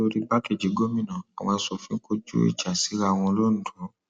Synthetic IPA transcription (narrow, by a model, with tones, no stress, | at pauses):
o˧ɾi˦ba˦ke˦˨d͡ʒi˨˦ɡo˦mĩ˦˨nã˨a˨w̃ɔ̃˧a˧sɔ˨fĩ˨˦ko˦d͡ʒṵ˦ḭ˦˨d͡ʒa˨si˨˦ɾa˧˨w̃ɔ̃˧lo˦ñ̩˨du˨˦